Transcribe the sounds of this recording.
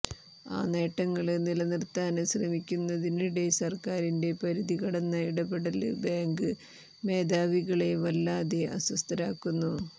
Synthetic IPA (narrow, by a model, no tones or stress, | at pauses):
a̰ːne̞ːʈːɐŋːɐɭnilɐnirt̪aːnɨɕrɐmikʲːunːɐðiniɽe̞sɐrkaːɾinde̞pɐɾiðikɐɽɐnːɐiɽɐbeɽɐlɨ̰beːŋɡɨ | me̞ːd̪aːʋiɣɐɭe̞ʋɐlːaːðeʔɐ̰sʋɐst̪ɐɾaːkːunːu